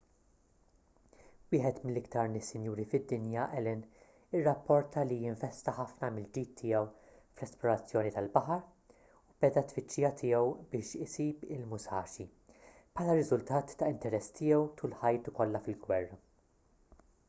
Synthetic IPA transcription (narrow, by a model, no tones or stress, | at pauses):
wɪːħɛt̪mɪlːɪkt̪ɐɾnɪsːɪnjuːɾifɪd̪ːɪnjɐʔɛlɪn | ɪrːɐpːɔɾt̪ʰɐlijɪɱvɛst̪ɐħɐfnɐmɪld͡ʒiːt̪ʰːɪːjɛw | flɛsplɔɾɐt͡sːjɔːnit̪ɐlbɐħɐɾ | ub̥ɛd̪ɐt̪fɪt͡ʃːɪːjɐt̪ʰɪːjɛwbɪːʃɪsiːbɪlmʊsɐːʃi | pħɐːlɐɾɪzʊlt̪ɐːt̪ːɐɪnt̪ɛɾɛsːt̪ɪːjɛwt̪ʰuːlħɐjt̪ukɔlːɐfɪlɡwɛrːɐ